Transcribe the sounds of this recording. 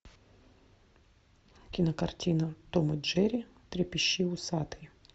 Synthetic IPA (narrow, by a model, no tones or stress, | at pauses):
kʲɪnəkɐrtʲinɐt̪omɨʐɛɾʲɪ | t̪ɾʲɪpʲɪɕːiʊsat̪ɨj